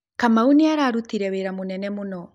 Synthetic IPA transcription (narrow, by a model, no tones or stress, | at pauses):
kamauniaɾaːɾutiɾɛβeɾamonɛnɛmonɔ